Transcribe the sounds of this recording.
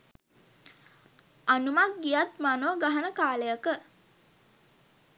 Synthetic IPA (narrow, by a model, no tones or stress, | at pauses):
anumak̚ɡijat̪manoːɡaɦənəkaːləjakə